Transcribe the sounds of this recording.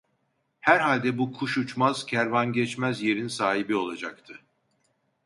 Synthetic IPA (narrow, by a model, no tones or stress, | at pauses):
hæɾɦalʲd̪ɛbukʰuʃut͡ʃmaz̥cʰæɾvanɟɛt͡ʃmæzje̞ɾinsaːhibio̞lˠad͡ʒak̚t̪ʰɯ